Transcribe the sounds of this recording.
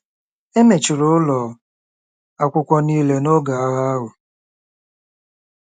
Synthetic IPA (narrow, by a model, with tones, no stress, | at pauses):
e˦me˨t͡ʃɪ˨ɾʊ˦ʊ˦lɔ˨ | a˨kʷʊ˨kʷɔ˦ni˦le˨no˦ɡa˨a˦ɣa˦ɦʊ˨